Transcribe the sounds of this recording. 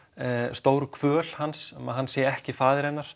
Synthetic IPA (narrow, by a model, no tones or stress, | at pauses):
st̪oːwɾʏkʰvœːlhansɛma̰hanːsjɛɛhcɪfaːðɪɾɛnːaɾ̥